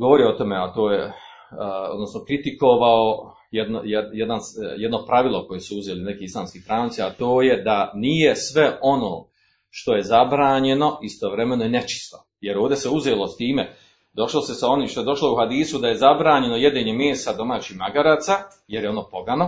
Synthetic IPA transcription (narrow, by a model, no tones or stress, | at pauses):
ɡo̞ʋo̞ɾio̞t̪o̞me̞at̪o̞ːje | od̪nosnokɾit̪iko̞ʋao | jed̪nojd̪jed̪anjed̪no̞pɾaʋilˠoko̞jesuuzeːline̞kiːislˠaːmskiːst̪ɾaːnt̪siat̪o̞ːje̞d̪anije̞sʋe̞o̞no̞̰ː | ʃt̪o̞je̞zabɾaːɲe̞no̞ist̪o̞ʋɾeme̞noene̞t͡ʃi̥st̪o̞ | jeɾoːʋd̪e̞seuzeːlo̞st̪iːme̞ | d̪o̞ʃlo̞se̞sao̞niːmʃt̪ojed̪o̞ʃlouhad̪iːsud̪aje̞zabɾaːɲe̞no̞je̞d̪eɲe̞meːsad̪o̞maːt͡ɕihmaɡaɾaːt̪sa | jeɾjeo̞no̞ːpo̞ɡano̞